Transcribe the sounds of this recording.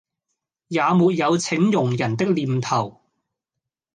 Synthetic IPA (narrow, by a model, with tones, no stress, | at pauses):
jaː˨˧muː˨˧t̚jɐ˨˧wt͡sʰɪ˨˥ŋjʊ˨˩ŋjɐ˨˩nt̪ɪ˥k̚liː˨˩mt̪ʰɐ˨˩w